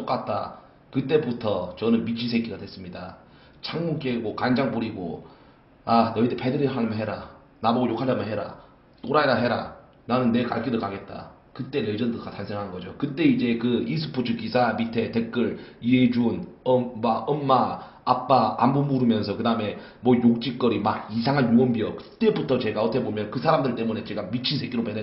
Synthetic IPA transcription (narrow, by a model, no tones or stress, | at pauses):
t͈ok͈at̚t͈a̰ | kɯt͈e̞butʰʌt͡ɕʌnɯnmit͡ɕʰis̬ʰeɡiɡadwe̞s͈ɯmɲida | t͡ɕʰaŋmuk͈eɡokand͡ʑaŋpuɾiɡo̰ | anʌitepʰedɯɾiɦamɯnɦeɾa | naboɡojokʰad͡ʑamɯnɦe̞ɾa̰ | t͈oɾaedaɦe̞ɾa̰ | nanɯnːe̞ka̰ɭk͈ʰidokaɡe̞t̚t͈a̰ | kɯt͈e̞ned͡ʑʌndokatʰansʰeŋɦanɯnɡʌd͡ʑokɯt͈e̞id͡ʑe̞kɯis̬ʰɯ̥pʰot͡ɕʰukisʰamitʰe̞te̞k̚k͈ɯɭied͡ʑunʌmaʌmːaː | p͈aambumuɾɯmjʌnsʰʌkɯdaɯme̞mwʌjok̚t͡ɕ͈ik͈ʌɾimaɡisʰaŋɦanjoʌmbiʌkɯt͈e̞butʰʌt͡ɕe̞ɡaʌtʰʌkʰebomjʌnkɯsʰaɾamdɯɭt͈e̞mune̞t͡ɕe̞ɡamit͡ɕʰinsʰeɡiɾopene